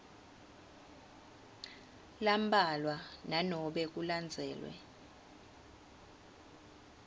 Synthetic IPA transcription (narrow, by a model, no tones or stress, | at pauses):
lambʱalwananɔɓɛk̬uland͡zʱɛːlwɛ̰